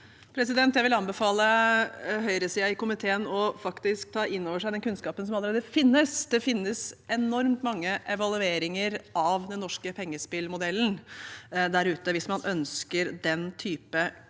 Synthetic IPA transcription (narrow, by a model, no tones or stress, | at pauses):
pʰɾɛsɪd̪ɛnt̪jæɪʋɪlɑnbɛfɑːlə | ɦœʏɾəsiːɑɪkʊmɪt̪ʰeːənɔfɑkt̪ɪsk̚t̪ʰɑːʔɪnːoːʋəʂæɪd̪ɛnkʰʉnskɑːpənsɔmɑləɾeːd̪əfɪnːəsd̪ɛfɪnːəsɛnɔɾmt̪mɑŋːəʔɛʋɑlʉeːɾɪŋəɾʔɑʋd̪ɛnːɔʂkəpʰɛŋːəspɪlmʊd̪ɛlːn̩ | d̪æɾʉːt̪əʋɪsmɑnʔœnskəɾd̪ɛnt̪ʰyːpə